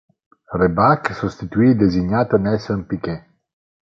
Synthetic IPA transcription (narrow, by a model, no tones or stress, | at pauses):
rebaksust̪it̪yid̪eziɲat̪ənɛsømpike